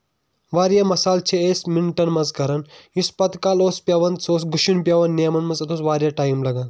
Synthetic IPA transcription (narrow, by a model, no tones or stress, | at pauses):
ʋaːɾjamɐsaːlt͡ʃʰeeːsminʈɐnmɐnzkɐɾɐnispɐt̪kaːloːspʲjaʋɐnd̪soːsɡuʃunpjaʋɐnːeːmɐnmɐnzɐt̪ʰosʋaːɾjaːʈaːjimlɐɡan